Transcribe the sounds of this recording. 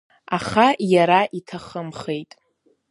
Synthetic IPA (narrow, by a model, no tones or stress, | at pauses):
aχajaɾaʔitʰaχəmχejtʼ